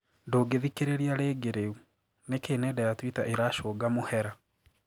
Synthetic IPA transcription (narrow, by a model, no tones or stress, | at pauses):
ndoːɡeðikeɾeɾiaɾeːɡeɾeu | nekeːnɛdajatwitaʔeɾaʃoːɡamohɛɾa